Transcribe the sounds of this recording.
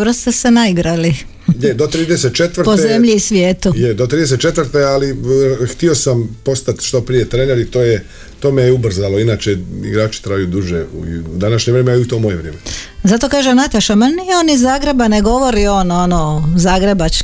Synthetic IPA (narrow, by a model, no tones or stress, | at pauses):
bɾost̪esenaiɡɾali | jed̪ot̪ɾiːd̪eset̪̚t͡ʃet̪ʋɾtpozemʎisʋjeːt̪ujed̪ot̪ɾiːd̪eset̪̚t͡ʃe̞t̪ʋɾt̪ealixt̪io̞sampo̞st̪at̪ʃt̪opɾijet̪ɾeːneɾit̪oːje | t̪oːmejeubr̩zalo̞inaːt͡ʃeḭɡɾaːt͡ʃi̥t̪ɾajajud̪uʒeṵd̪anaʃɲeʋɾeːmeaiut̪o̞mojeʋɾjeːmezat̪okaːʒenat̪aʃamanijeonizːaːɡɾe̞baneɡo̞ʋo̞ɾio̞nonozaːɡɾebat͡ʃ